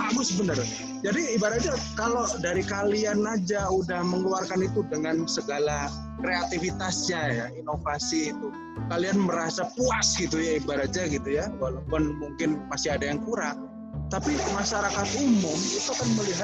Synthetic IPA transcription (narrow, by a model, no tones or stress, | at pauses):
abʊsəbənər | d͡ʒadiːbaɾad͡ʒakalodaɾikalianad͡ʒaudahməŋluarkanit̪udəŋansəɡala | kɾeat̪ifit̪asɲajainofasiːt̪u | kalianməɾasapuasɡit̪ujaibaɾad͡ʒaɡit̪ujawalawpʊnmuŋkɪnmasɪadajaŋkuɾaʔ | t̪apimaʃaɾakat̪umʊmit̪ukanməliɦat̪̚